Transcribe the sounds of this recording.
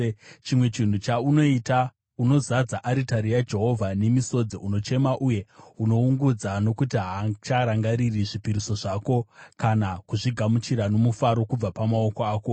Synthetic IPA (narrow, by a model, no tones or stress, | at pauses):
t͡ʃimwe̞t͡ʃin̤ut͡ʃauno̞ita | uno̞zad͡zaʔaɾitaɾijad͡ʒe̞ɦo̞vʱane̞miso̞d͡ziuno̞t͡ʃe̞maʔuje̞uno̞uŋɡud͡zano̞kut̬iɦat͡ʃaɾaŋɡaɾiriʐipiɾiso̞ʐaːko̞kanakuʐiɡʱamut͡ʃiɾano̞mufaɾo̞kub͡vapamao̞koaːko